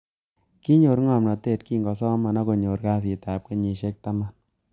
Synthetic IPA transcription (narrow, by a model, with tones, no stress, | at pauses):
ki˦ɲo˨ɾŋɔ˨mna˨te˦˨t̚kiː˦ŋɡɔ˨s̬ɔ˦ma˨na˦ko˨ɲo˨ɾka˦s̬i˨ta˨p̚ke˦ɲi˨ʃɛ˦k̚ta˦ma˦n